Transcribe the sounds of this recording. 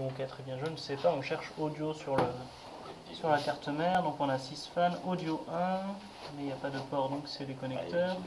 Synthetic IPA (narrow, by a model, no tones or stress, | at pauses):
ɔ̃kat̪χɛbjɛ̃ʒønsɛpaɔ̃ʃɛʁʃod̪josyʁlə | syʁlakaʁt̪əmɛʁd̪ɔ̃kɔ̃nasisfanod̪joʔɛ̃ | mɛiljapad̪əpɔʁd̪ɔ̃ksɛd̪ekɔnɛktt̪œːʁ